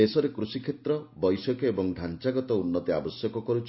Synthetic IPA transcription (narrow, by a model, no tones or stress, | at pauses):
esɔɾekɾusikʰet̪ɾɔbɔjsɔkɔebɔŋɖʱant͡ʃaɡɔt̪ɔunːɔt̪ia̰bɔsjɔkɔkɔɾut͡ʃʰ